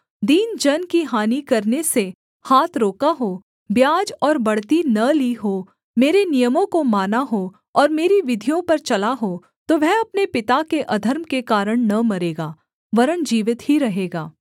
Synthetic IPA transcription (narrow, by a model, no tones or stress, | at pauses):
d̪iːnd͡ʒɐnkiɦaːnikɐɾnese | haːt̪ʰɾoːkaɦoː | bjaːd͡ʒɔːɾbɐɽt̪inɐliɦo | meːɾenijəmõkomaːnaɦo | ɔːɾmeːɾiʋɪd̪ʱijõpɐɾt͡ʃɐlaɦoː | t̪oʋɛɦɐpnepɪt̪akeʔɐd̪ʱəɾmkekaːɾəɽ̃nɐmɐɾeːɡaː | ʋɐɾənd͡ʒiːʋɪt̪ɦhiɾɐɦeːɡaː